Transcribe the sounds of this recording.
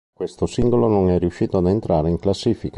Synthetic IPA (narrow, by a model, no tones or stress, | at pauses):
kwest̪osiŋɡolonoŋɛriuʃːiːt̪oad̪ent̪ɾaːɾeiŋklasːiːfika